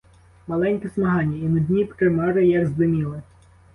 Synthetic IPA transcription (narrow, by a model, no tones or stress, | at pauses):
mɐlˠɛnʲkɛsmɐɦɑnʲːɐinʊd̪ʲnʲipkɾemɔɾɪjɐɡzd̪ɪmʲilˠɪ